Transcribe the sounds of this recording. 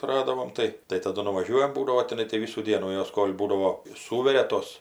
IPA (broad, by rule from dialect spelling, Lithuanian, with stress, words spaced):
tʊˈrɑːdɐʋoːm ˈtɐɪ tɐɪ tɐˈdʊ nʊʋɐˈʒʲuɔjɛm ˈbuːdɐʋoː tʲɪˈnɐɪ tɐɪ ˈʋʲɪsuː ˈdʲiɛnuː ˈjoːs ˈkoːlʲ ˈbuːdɐʋoː ˈsuːʋʲɛrʲɛ ˈtoːs